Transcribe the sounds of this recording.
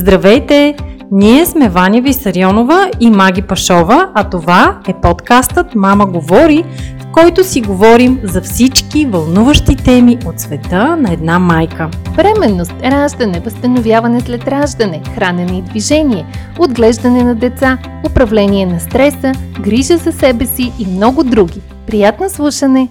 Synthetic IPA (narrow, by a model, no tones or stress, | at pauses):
zd̪ɾɐvɛjt̪ɛniɛsmɛvanʲjɛvisɐɾiɔnovəimaɡ̟ʲipɐʃɔvəɐt̪ovaɛpɔt̪kast̪ət̪maməɡovɔɾifkɔjt̪osiɡovɔɾimzɐfsit͡ʃkivɐlˠnuvəʃt̪it̪ɛmiʔot̪svɛt̪ənɐɛd̪namajkəvɾɛmɛnːost̪ɾaʒd̪ɐnɛvəst̪ənovʲjavɐnɛslɛt̪ɾaʒd̪ɐnɛxɾanɛnɛid̪viʒɛniɛ | od̪ɡlɛʒd̪ɐnɛnɐd̪ɛt̪sa | opɾɐvlɛniɛnɐst̪ɾɛsəɡɾiʒəzɐsɛbɛsiːmnɔɡʊd̪ɾuɡʲi | pɾijat̪noslˠuʃənɛ